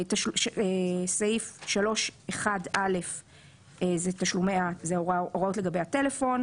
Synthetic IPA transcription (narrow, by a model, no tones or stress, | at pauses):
taʃesaifʃalo̞ʃeχadʔale̞f | ezet̪aʃlumeazeoʁaʔoʁo̞tleɡabejate̞lefo̞n